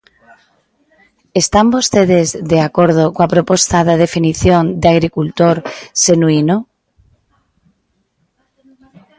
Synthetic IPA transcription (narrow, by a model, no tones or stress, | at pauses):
est̪ambost̪eð̞ezðeakoɾð̞okoapɾopost̪aðaðefiniθjond̪eaɣ̞ɾikult̪oɾsenuino